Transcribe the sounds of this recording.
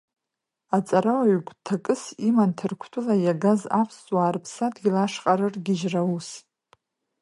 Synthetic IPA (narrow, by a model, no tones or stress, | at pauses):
at͡sʼaɾawaɥɥɡʷʼtʰakʼɨsimantʰɨrkʷʰtʰʊlajaɡaza̰pʰst͡sʼwaːrpʰsadɡʲilaʂqʼaɾɨrɡʲɪʒraus